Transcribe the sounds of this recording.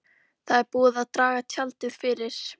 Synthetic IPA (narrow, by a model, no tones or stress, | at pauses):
θaðɛɾpuːðaðt̪ɾaːɣat̪ʰjalt̪ɪðfɪɾɪɾ̥